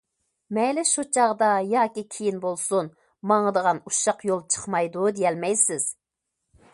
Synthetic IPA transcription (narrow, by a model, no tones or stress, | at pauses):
mɛjlɪʃut͡ʃʰɑʁd̪ɑjɑːkʲikʲʰijinbolˠsun | mɑŋəd̪əʁɑnuʃɑqjolˠt͡ʃʰə̥χmɑjd̪ud̪ijɛlmɛjsɪz̥